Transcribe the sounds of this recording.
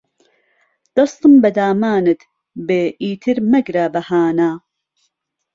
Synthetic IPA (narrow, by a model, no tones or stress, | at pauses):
d̪̥ɐst̪ɨmbɐd̪aːmaːnɨt̪ | beːʔiːt̪ʰɨɾmɐɡɾaːbɐhaːnaː